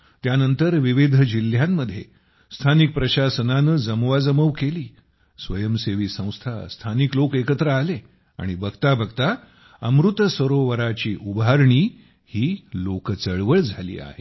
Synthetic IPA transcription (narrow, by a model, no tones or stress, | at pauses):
t̪janənt̪əɾʋiʋid̪ʱəd͡ʑil̤ːjamːəd̪ʱːje | st̪ʰanik̚pɾəɕasənanəd͡zəmʋad͡zəməʋkeliː | sʋəjəmseʋiːsə̃w̃st̪ʰa̰st̪ʰaniklokekət̪ɾəale | a̰ɽ̃ibʱəɡt̪abʱəɡt̪a | əmɾut̪səɾoʋəɾat͡ɕiːʔubaɾɳiː | hiːlokt͡səɭʋəɭd͡zʱalḭːa̰ɦe